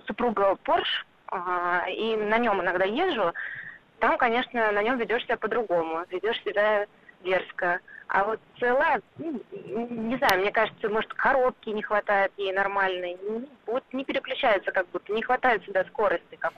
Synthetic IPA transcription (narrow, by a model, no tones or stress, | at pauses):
sʊpɾuɡəporʂ | inɐnʲo̞mɪnɐɡd̪ajeʐʊ | t̪amkɐnʲe̞ʂnənɐnʲo̞mvʲɪdʲo̞ʂsʲɪbʲapəd̪ɾʊɡo̞mʊvʲɪdʲo̞ʂsʲɪbʲa | vʲe̞rskəa̰vo̞t̪̚sɨlˠajənu | nʲɪznajʊmnʲe̞kaʐɨt̪səmo̞ʐɨt̪kɐɾop̚kʲɪnʲɪxvɐt̪ajɪt̪jejnɐrmalʲnɨjnʲɪbut̪nʲɪpʲɪɾʲɪklʲʉt͡ɕæjɪt̪səkaɡ̚but̪ːənʲɪxvɐt̪ajɪt̪sʲɪbʲasko̞ɾəsʲtʲɪkak